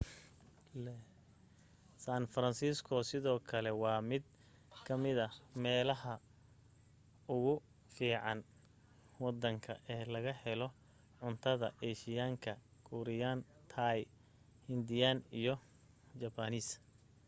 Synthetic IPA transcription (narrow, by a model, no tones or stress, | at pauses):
lɛ | saːnfɐɾɐnsiːskʰɔsɪðɔːkʰɐlɛwɑːmɪd̪̚ | kʰɐmɪðɐmɛːlɐɦɐ | ʊɣʊ | fiːʕɑn | wɑd̪ːɐŋkʰɐ̰ʔɛːlɐɣɐhɛlɔ | ʕʊnt̪ʰɐðɐ̰ʔɛːʃɪjaːŋkʰɐkʰuɾɪjaːnt̪ʰaːj | hɪnd̪ɪjaːnijɔ | t͡ʃɐbɐniːs